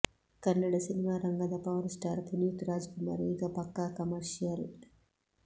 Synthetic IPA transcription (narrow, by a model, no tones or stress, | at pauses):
kɐnːɐɖasinimaːɾɐŋɡɐd̪ɐpawɾsʈaːɾpunjut̪ɾaːd͡ʒɡʊma̰ɾiɡɐpɐkːakɐmɐɾʃiɐl